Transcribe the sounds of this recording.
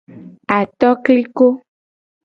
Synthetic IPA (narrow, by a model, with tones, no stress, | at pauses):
a˨t̪ɔ˦kli˦ko˦